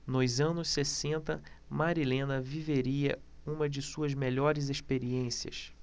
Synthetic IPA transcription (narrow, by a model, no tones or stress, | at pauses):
nʊzɐ̃nʊsːesẽnt̪ɐ | maɾilẽnɐviveɾiɐ̰ | ũmɐd͡ʒɪsuɐzmeʎɔɾɪzeʃpeɾiẽsiɐ̰s